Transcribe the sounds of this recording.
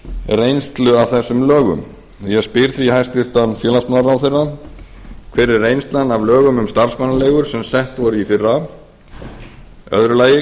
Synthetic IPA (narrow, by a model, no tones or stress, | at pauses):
rejnst̪lʏavθɛsːʏmlœːɣʏ̰m | jɛspɪɾθvihajst̪ɪr̥t̪anfjɛːlansmanɾawθejrːa | kʰvɛːɾɪrːejnst̪lanːavlœːɣʏmʏmst̪aɾ̥smanːaleːɣʏɾ̥sɛmsɛht̪vɔɾʏifɪrːa | œ̰ðɾʏlaːjɪ